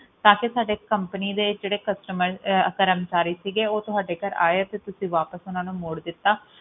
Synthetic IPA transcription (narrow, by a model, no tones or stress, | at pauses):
t̪ãːkesaːɖeːkəmpəniːd̪eːd͡ʒeːɽeːkəsʈəməɾəkəɾəmt͡ʃaːɾiːsiːɡeːoːt̪ʊɦaːɖeːkəɾa̰ːeat̪eːt̪ʊsĩːʋaːpəsʊnãːnũːmoːɽd̪ɪt̪ːaː